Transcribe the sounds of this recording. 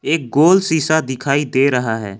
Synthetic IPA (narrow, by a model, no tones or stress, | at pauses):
eːk̚ɡoːlsiːsad̪ɪkʰaːid̪eːɾəɦaɦɛ̰ː